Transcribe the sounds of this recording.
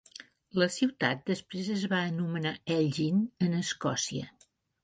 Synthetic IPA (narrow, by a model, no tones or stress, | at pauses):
ləsiwt̪at̪̚d̪əspɾezəzβaənumənaɛʎʒinənəskɔsiə̰